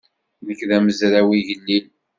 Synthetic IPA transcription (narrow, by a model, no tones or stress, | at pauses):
ðəkːðæməzɾæwiʝəlːil